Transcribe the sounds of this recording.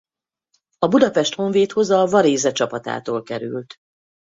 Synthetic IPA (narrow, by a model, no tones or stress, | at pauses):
ɒbud̪ɒpɛʃt̪ho̞ɱveːt̪ho̞zɒvɒɾeːzɛt͡ʃɒpɒt̪a̰ːt̪oːlkɛɾy̰lt̪